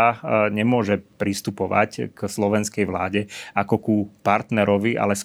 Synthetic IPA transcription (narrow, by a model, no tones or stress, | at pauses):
aɲɛmʊɔʒɛpɾist̪upɔʋa̰ckslɔʋɛnskɛjʋlaːɟɛakɔkupaɾt̪nɛɾɔʋiʔa̰lɛs